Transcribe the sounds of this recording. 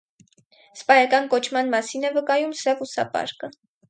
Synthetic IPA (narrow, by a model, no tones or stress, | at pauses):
spɑjɑkɑnkɔt͡ʃʰmɑnmɑsinɛvəkɑjumsɛvusɑ̰pɑ̰ɾkə